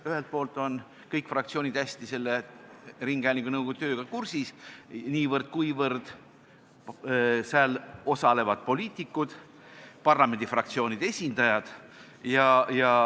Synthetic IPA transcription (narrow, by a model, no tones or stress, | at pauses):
yhelt̪̚po̞ːlt̪ˑo̞n | kɤjkˑfrɑkt̪sio̞ːnid̪̥æsʲt̪ise̞lːeriŋɡ̥æːlʲiŋkunɤwɡ̥ot̪ø̞ːɡ̥ɑkursisniːvɤrd̪̥̚kujvɤrd̪̥ | sælo̞sɑle̞vɑd̪̥po̞lʲiːt̪ˑikːˑud̪̥ | pɑrlɑme̞nd̪ifrɑk̚t̪sio̞ːnʲid̪̥e̞sʲind̪ɑjɑd̪̥ | jɑjɑ